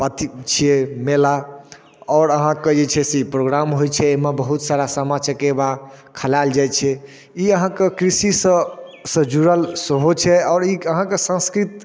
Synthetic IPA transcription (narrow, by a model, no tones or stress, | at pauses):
pət̪it͡ʃʰiemela | ɔɾəɦãkəijɛt͡ʃʰɛseipɾoɡɾamɦojt͡ʃʰɛemebəɦut̪saɾasəmat͡ʃəkebakʰəlald͡ʒajt͡ʃʰɛ | iəɦãkekɾisisəsə̃d͡ʒuɾəlsəɦot͡ʃʰɛɔːɾiəɦãkesə̃nskɾit̪